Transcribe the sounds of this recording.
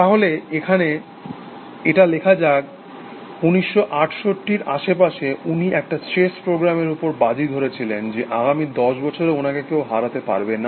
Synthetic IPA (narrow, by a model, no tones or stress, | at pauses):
t̪aɦoleekʰane | eʈalekʰad͡ʑaɡ | uniʃːoʔaʈʰʃoʈːiɾaʃepaʃeʔuniʔɛk̚ʈaseʃpɾoɡɾameɾupoɾbad͡ʑid̪ʱoɾet͡ɕʰilend͡ʑeʔaɡamid̪ɔʃbɔt͡ɕʰoɾeonakekewɦaɾat̪epa̰ɾbena